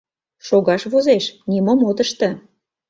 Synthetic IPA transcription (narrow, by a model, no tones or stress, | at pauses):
ʃoɣɑʃβozeʃnimomod̪əʃt̪ə̆